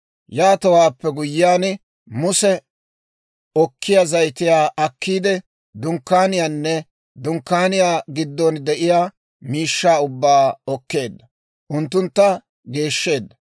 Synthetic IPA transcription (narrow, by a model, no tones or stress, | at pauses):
jaːt̪ɐwaːpːɛɡʊjːɪjaːn | mʊsɛ | ɔkʰːɪjazɐjt̪ɪjaːʔɐkːiːd̪ɛ | d̪ʊŋkːaːnɪjaːnːɛ | d̪ʊŋkːaːnɪjaːɡɪd̪ːɔnd̪ɛʔɪjaː | miːʃːaːʊbːaːɔkːe̞ːd̪ːɐ | ʔʊnt̪ːʊnt̪ːɐ | ɡe̞ːʃːe̞ːd̪ːɐ